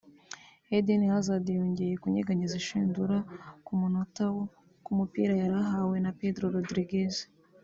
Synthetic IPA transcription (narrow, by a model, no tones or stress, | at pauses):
edinihazadijoɲɟejekuɲeɡaɲiziʃiːnduɾaumunotawo | kumupḭːɾajaɾaɦawe̞napedɾoɾodɾiɡes